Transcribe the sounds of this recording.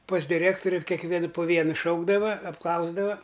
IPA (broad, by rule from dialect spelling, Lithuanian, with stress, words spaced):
pɐs dʲɪˈrʲeːktoːrʲʊ kʲɛkˈʋʲiɛn poː ˈʋʲiɛnʊ ˈʃɐʊɡdɐʋɐ ɐpˈklˠɐʊzdɐʋɐ